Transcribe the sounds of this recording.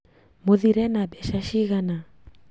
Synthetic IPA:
moðiɾɛnabɛʃaʃiɣana

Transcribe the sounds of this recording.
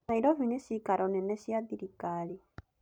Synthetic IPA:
aiɾɔvinesikaɾɔnɛnɛsiad̪iɾikali

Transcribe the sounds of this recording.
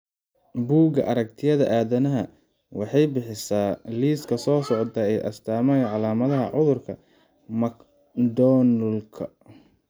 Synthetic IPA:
buːɡɐʔɐɾɐk̚t̪ʰɪjɐðɐʔaːðɐnɐɦɐ | wɑħɑjbɪħɪsaːliːskʰɐsɔːsɔʕt̪ʰɐɛjʔɐ̰st̪ʰaːmɐjʕɑlaːmɐðɐɦɐ̰ʕʊðʊrkʰɐ | mɐk | d̪ɔːnʊlkʰɐ̰

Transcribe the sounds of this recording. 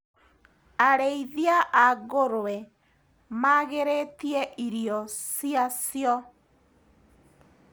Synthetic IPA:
aɾeiðiaʔaɣoɾwɛ | maɣeɾetiɛʔiɾiɔsiasjɔ

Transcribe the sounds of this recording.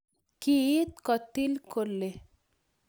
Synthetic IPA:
kit̪̚kɔt̪ilkoɾle

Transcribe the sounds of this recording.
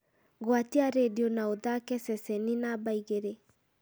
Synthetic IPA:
ɣwatiaɾedionaoðakɛsɛsɛninabaiɣeɾe

